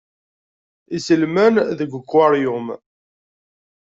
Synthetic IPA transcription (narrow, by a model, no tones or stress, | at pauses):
isəlmænðəɡʷəkʷːɑɾˤjʊm